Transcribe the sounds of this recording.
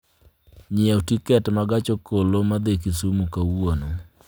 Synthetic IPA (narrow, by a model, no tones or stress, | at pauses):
ɲɪaotikɛtmaɡat͡ʃokolomad̪ekisumukawono